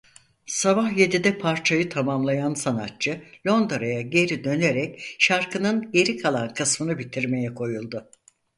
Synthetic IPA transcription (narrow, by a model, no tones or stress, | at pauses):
sabahje̞d̪id̪ɛpʰaɾt͡ʃʰajɯt̪ʰamamlˠajansanat̚t͡ʃʰɯlʲo̞nd̪ɾajaɟe̞ɾid̪ø̞ne̞ɾɛcʃaɾkʰɯnɯnɟe̞ɾikʰalˠankʰɯsmɯnɯbit̪ʰiɾme̞jɛkʰo̞julˠd̪ʊ